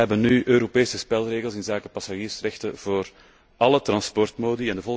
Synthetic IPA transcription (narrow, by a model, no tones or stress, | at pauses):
ɦɛbənːyʔøːɾopeːsəspɛlˠreːɣəlˠsɪnzaːkəpɑsaɣiːrsrɛxtəv̥oːr | ɑlətrɑnspɔrtmoːdiɛndəvɔlˠɣ